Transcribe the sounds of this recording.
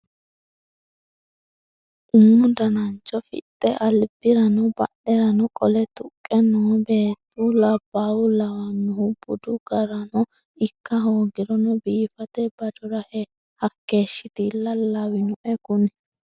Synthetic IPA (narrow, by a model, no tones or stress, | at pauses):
ʔʊmːʊd̪ɐnɐnt͡ʃːɔfɪ̰t̪ʼːɛʔɐlb̥ɪɾɐnɔbɐ̰ɗɛɾɐnɔkʼɔlɛt̪ʊkʼːɛnɔbe̞ːt̪ʼːʊlɐbːaːwʊlɐwɐnʊhʊb̥ʊd̪ʊɡɐɾɐnɔ | ɪkːɐɦoːɡɪɾɔnɔbiːfɐt̪ɛbɐd͡ʒɔɾɐhɛ | hɐkːe̞ːʃːɪt̪ɪlɐlːɐwɪnʊʔɛkʊnɛ